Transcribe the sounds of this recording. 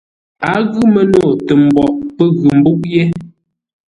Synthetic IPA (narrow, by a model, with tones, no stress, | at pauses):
a˨˦ɣʉ˦mə˦no˦˨tə˨m̩˨bɔ˨ʔpə˦ɣʉ˨m̩˨bu˦ʔ̚jɛ˦